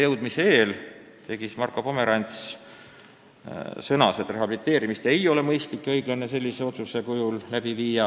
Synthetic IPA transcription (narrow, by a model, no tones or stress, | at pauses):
jɤwd̪̥miseeːl | t̪e̞ɡismɑrkːˑo̞po̞me̞ɾɑnʲt̪s | sɤnɑse̞t̪ːre̞ɦɑbilit̪ːˑe̞ːɾimist̪e̞jo̞le̞mɤjst̪likːˑɤjɡ̥lɑne̞se̞lʲːise̞o̞t̪suse̞kujullæb̥iviːjɑ